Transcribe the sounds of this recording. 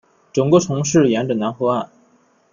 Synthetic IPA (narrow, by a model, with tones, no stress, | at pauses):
ʈ͡ʂʊ˨˩ŋkwɔ˥ʈ͡ʂʰʊ˧˥ŋʂɻ̩˥˩jɛ˧˥nʈ͡ʂə˨˩na˧˥nxɤ˧˥a˥˩n